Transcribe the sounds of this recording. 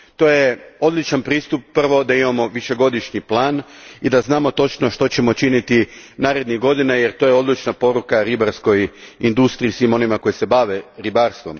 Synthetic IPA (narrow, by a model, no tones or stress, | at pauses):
t̪o̞ːjeo̞d̪lit͡ʃanpɾiːst̪upːr̩ʋo̞d̪aimamo̞ʋiʃe̞ɡo̞d̪iʃɲiplˠaːnid̪aznaːmo̞t̪o̞t͡ʃno̞ʃt̪o̞t͡ɕe̞mo̞t͡ʃinit̪i | naːɾe̞d̪niɣɡo̞d̪inajeɾt̪o̞jeo̞d̪lit͡ʃnapo̞ɾukaɾibaɾsko̞jind̪ust̪ɾiisʋimo̞nimako̞jise̞baʋe̞ɾibaːɾst̪ʋo̞m